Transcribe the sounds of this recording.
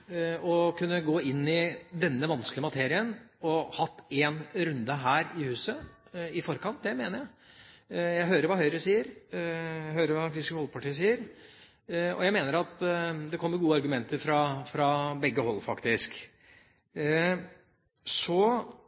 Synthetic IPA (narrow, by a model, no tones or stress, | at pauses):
ɔkʉnːəɡoːɪnːɪd̪ɛnːəʋɑnsklɪəmɑt̪ʰeːɾɪənɔhɑt̪ːeːnɾʉnd̪əɦæːɾɪhʉːsə | ɪfɔɾkɑnt̪̚d̪ɛmeːnəɾjæɪ | jæɪɦøːɾəɾʋɑːhœʏɾəsiːəɾ | ɦøːɾəɾʋɑkɾɪskhɔlpʰɑʈiːs̬iːəɾ | ɔ̰jæɪmeːnəɾɑt̪d̪ɛkʰɔmːəɾɡuːəɑɾɡʉmɛnt̪əɾfɾɑfɾɑbɛɡːəhɔlːfɑkt̪ɪsk | sɔ